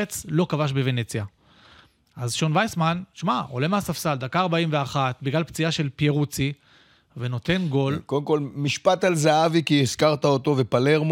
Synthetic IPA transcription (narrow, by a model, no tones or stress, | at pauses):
et͡slo̞kavaʃ̬beve̞ne̞t͡sja | ʔazʃo̞nvajsmanʃmao̞̰le̞measafsald̪akaːʁbaimveaχat̪̚biɡlalpt͡sijaʃe̞lpjeʁut͡si | ve̞no̞t̪e̞nɡo̞lkod̪emkolmiʃpat̪alzaavikiiskaʁt̪aot̪o̞vepaleʁm